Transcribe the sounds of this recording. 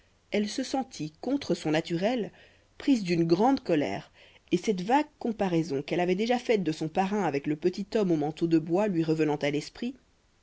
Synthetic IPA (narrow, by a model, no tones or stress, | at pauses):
ɛlsəsɑ̃t̪ʰikɔ̃t̪χəsɔ̃nat̪yʁɛl | pχizd̪ynɡʁɑ̃d̪kɔlɛ̰ːʁ | esɛt̪vaɡ̚kɔ̃paʁɛzɔ̃kɛlavɛd̪eʒafɛt̪̚d̪əsɔ̃paʁɛ̃avɛkləpət̪it̪ɔmomɑ̃t̪od̪əbwalɥiʁəvənɑ̃t̪alɛspχi